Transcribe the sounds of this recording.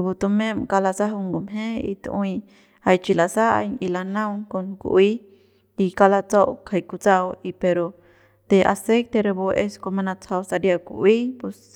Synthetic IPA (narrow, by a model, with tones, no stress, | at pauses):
ɾe˨bu˧t̪u˧mẽ˦mka˧la˧sa˦ɦu˧ŋɡu˨mɦẽ˦ḭ˧t̪ʔwi˧ | a˧jt͡ʃi˧la˨sa˦a̰˧jɲi˧la˧nã˦wŋko˧nkṵ˨ʔi˦ | i˧ka˧la˧t͡so˦ʔkʰa˧jku˧t͡sa˦˧wi˧pe˧ɾo˧ | t̪e˧ʔa̰˨se˦jt̪e˧ɾe˧bo˧ʔe˧sko˧mã˧nã˧t͡sʰha˧wsa˧ɾja˧kṵ˧ʔwi˦pe˧s